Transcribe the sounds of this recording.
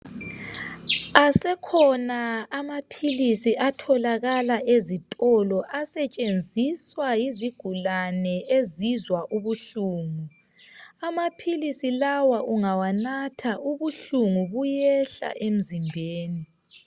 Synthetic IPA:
asɛkʰɔnaːmapʰilisiʔatʰɔlaɣalaʔezitʼɔlɔʔasɛt͡ʃʼend͡zʱiswajiziɡ̥ʱulanɛezizwaʔuβuɬuːŋu | amapʰilisilawaʔuŋawanatʰaʔuβuɬuŋuβujɛɬa̰ʔem̩zimbʱeːni

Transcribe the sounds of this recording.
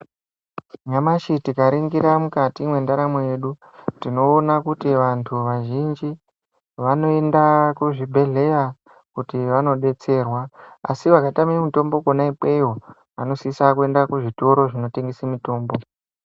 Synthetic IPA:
namaʃitikaɾiŋɡiɾamukatimwe̞ndaɾamoje̞ːɗu | tino̞ːnakutiʋantʰuʋaʒind͡ʒi | ʋano̞e̞ndakuʐibʱe̞ɮe̞ja | kutiʋano̞ɗe̞t͡se̞ːrwaa̰siʋakatamimito̞mbo̞konaiɓweiɦo | ano̞sisakue̞ndakuʐito̞ɾo̞ʐino̞teŋɡesemito̞ːmbo̞

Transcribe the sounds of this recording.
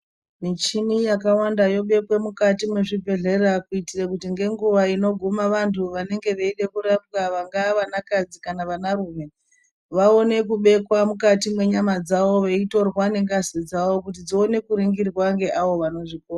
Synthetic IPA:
nit͡ʃinijakawandajo̞ɓe̞kwe̞mukatimwe̞ʐibʱe̞ɮe̞rakuitirakutiŋɡe̞ŋɡuʋaino̞ɡʱumaʋantʰuʋane̞ŋɡe̞ʋeiɗe̞kuɾapkaʋaŋɡaʋanakad͡zikanaʋanaruːme̞ | ʋao̞ne̞kuɓe̞kwamukatimwe̞ɲamad͡zaʋo̞ʋe̞ito̞rwane̞ŋɡasid͡zaʋo̞kutid͡zoːne̞kuɾiŋɡirwaŋɡe̞ʔaʋo̞ʋano̞ʐik̚ora

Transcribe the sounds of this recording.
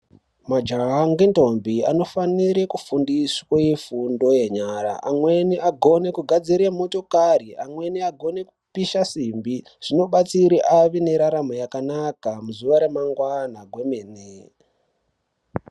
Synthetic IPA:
mad͡ʒaɦaŋɡento̞mbiano̞faniɾekufundiswajefundo̞je̞ɲaːɾa̰ʔamwe̞niʔaɡʱo̞ne̞kuɡʱad͡ziɾemo̞to̞kariʔamwe̞niaɡʱo̞ne̞ku̥piʃasimbi | ʐ̥ino̞ɓat͡siɾiʔaʋine̞ɾaɾamojakanakamuzuʋaɾe̞maŋɡwanaɡʱwe̞mene

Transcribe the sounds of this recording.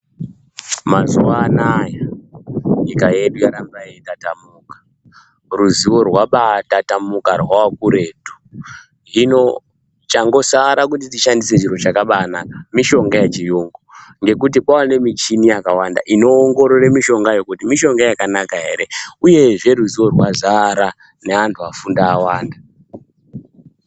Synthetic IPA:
mazuaːnaja | ikaeɗɡaɾambajetatamukḁ | ruziwo̞rwaɓatatamukarwawakuɾe̞ːtu̥ | ino̞ | t͡ʃaŋɡo̞saɾak̬utitiʃandise̞t͡ʃiro̞t͡ʃakaɓaːnakamiʃo̞ŋɡajat͡ʃijuŋɡoŋɡe̞kut̬ipwawane̞mit͡ʃinijakawanda̰ʔino̞ːŋɡo̞ɾo̞remiʃo̞ŋɡajo̞kutimiʃo̞ŋɡajakanakaɦe̞ɾe̞uje̞ʐe̞ruziwo̞rwazaɾa | neantʰuafundaːwaːnda

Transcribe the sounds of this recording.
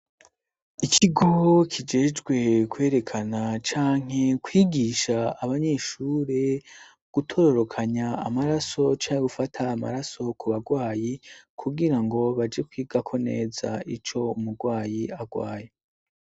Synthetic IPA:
ikʰiɡokʰid͡ʒe̞ːd͡ʒɡwe̞kwe̞ːɾe̞kʰanat͡ʃaːŋ̥e̞kwiːɡiːʃaːβaɲe̞ːʃuːɾe̞ | ɡ̥utʰo̞ɾo̞ɾo̞kʰaɲaːmaɾaso̞t͡ʃaːŋeɡufatʰaːma̰ɾaso̞kuβaɡwaːjikʰuɡiɾaŋɡo̞βad͡ʒe̞kwiːɡakʰo̞ne̞̰ːza̰it͡ʃo̞umuɡwaːjiaɡwaːje

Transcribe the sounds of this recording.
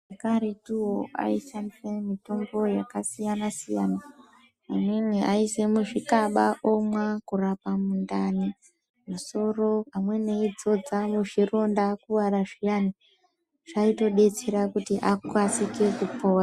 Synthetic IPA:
ʐakaɾe̞tuwoa̰iʃandisemito̞mbo̞jakasijanasija̰naː | mweniʔa̰ise̞muʐikaɓaʔo̞mwakurapamundani | muso̞ro̞pamwe̞ne̞id͡zo̞d͡zamuʐiro̞ndakuʋaɾaʐijani | ʐ̥aito̞ɗe̞t͡seɾakutiʔakwat͡sike̞kupora

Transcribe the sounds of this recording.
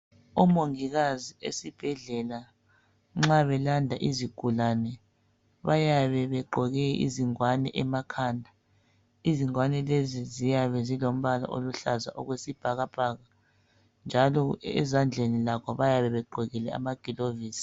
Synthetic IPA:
ɔmoŋiɣaziesib̥ʱɛɮɛla | ŋ͡ǁaβɛlandʱaʔiziɡ̥ʱulanɛ | βajaβɛβɛǃʱɔɣɛḭziŋwanɛʔɛmakʰaːndʱa | iziŋwanɛlezizijaβɛzilom̩βala̰ʔo̰luɬaza̰ʔoɣwesib̥ʱaɣab̥ʱaːɣa | nd͡ʒʱalɔɛ̰zand͡ɮʱenilakʰɔβajaβɛβɛɡ͡ǃʱɔɣɛlɛa̰maɡ̥ʱiloviːsi̥

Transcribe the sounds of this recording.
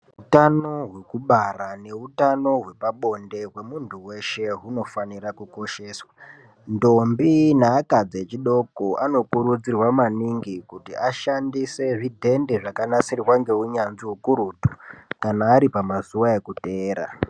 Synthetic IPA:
utano̞ɦwe̞kuɓarane̞utano̞ɦwe̞paɓo̞nde̞ɦwe̞muntuwe̞ʃe̞ɦuno̞fanirakuko̞ʃe̞ːswa | ndo̞mbinaːkad͡zet͡ʃiɗo̞koʔano̞kuɾud͡zirwamaniŋɡikutiʔaʃandise̞ʐidʱe̞ndeʐakanasirwaŋɡe̞uɲanʐiɦukuɾutu̥kanaːɾipamazuwae̞kuteːɾa̰

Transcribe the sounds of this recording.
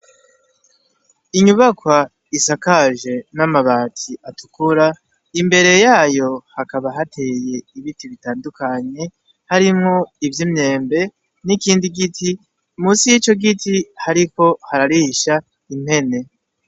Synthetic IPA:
iɲuβakwa | isakaʒe̞namaβaːtʰiʔatukuɾa | imbe̞ɾe̞jaːjo̞hakaβaɦatʰe̞je̞iβitiβitaːndukaɲe̞ | haɾimŋo̞ivjimɲe̞ːmbe̞ | nikiːndiɡiti | umuːsijit͡ʃo̞ɡitʰihaɾiko̞haɾaɾihiʃa | im̥he̞ne̞

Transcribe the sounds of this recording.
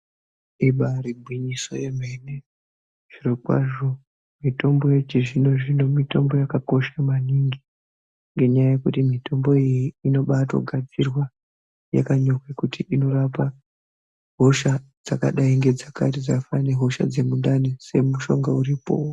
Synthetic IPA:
iɓarib̚ʱwiɲiso̞̰je̞m̤ene | ʐ̥irokwa̰ʐo̞ | mito̞mbo̞jet͡ʃiʐino̞ʐino̞mito̞mbo̞jakako̞ʃamaniŋɡi | ŋɡe̞ɲajaje̞kutimito̞mbo̞ijiino̞ɓatwo̰ɡʱad͡zirwa | ja̰kaɲo̞kwekutiino̞rapa | ɦo̞ʃad͡zakaɗaiŋɡe̞d͡zaka̰tid͡zafane̞ɦo̞ʃa̰d͡ze̞mundanese̞muʃo̞ŋɡauɾipo̰

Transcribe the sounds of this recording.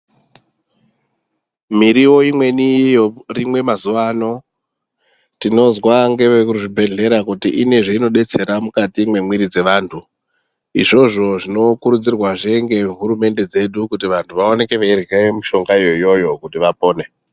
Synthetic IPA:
miɾiwo̞imwe̞nijorimwe̞mazuʋaːno̞ | tino̞zwaŋɡe̞ʋekuʐibʱe̞ɮe̞ɾakutiʔine̞ʐeino̞ɗe̞t͡se̞ɾamukatimwe̞mwiɾid͡ze̞ʋaːntʰu | ḭʐo̞ʐo̞ʐino̞kuɾud͡zirwaʐe̞ŋɡe̞ɦuɾume̞nde̞d͡ze̞ɗukutiʋantʰuʋao̞ne̞ke̞ʋeirɣemiʃo̞ŋɡaijo̞ijo̞jo̞kutiʋapo̞ːne̞

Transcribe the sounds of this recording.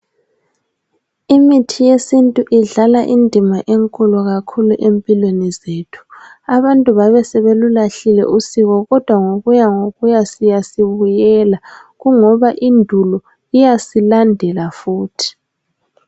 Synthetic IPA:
imitʰijesintʼuʔiɮalaʔindʱimaʔeŋkʼuluɣakʰuluʔempʼilwenizetʰu̥ | aβantʼuβaβɛsɛβelulaɬilɛ̰ʔusiɣɔɣɔd̥ʱwaŋoɣujaŋoɣujasijasiβujɛlaɣuŋɔβaʔindʱulɔ | ijasilandʱɛlafuːtʰi̥

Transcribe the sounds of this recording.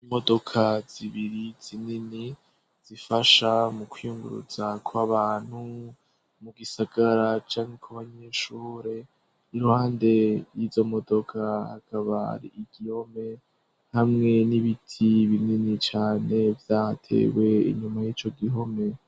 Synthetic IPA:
imo̞do̞kʰaz̥iβiɾiz̥inini | z̥ifaʃamukwijuŋɡṵɾṵz̥akʰwaβaːn̥hu | muɡisaɡ̥aɾat͡ʃaːŋekʰaβaɲe̞ːʃuːɾe̞ | iɾuhaːnde̞jizo̞mo̞do̞kʰaha̰kʰaβaha̰ɾḭːɡ̥iho̞me̞ | hamŋe̞niβitʰiβininit͡ʃaːne̞vjatʰe̞̰ːwe̞ḭɲumajit͡ʃo̞ɡiɦo̞me̞

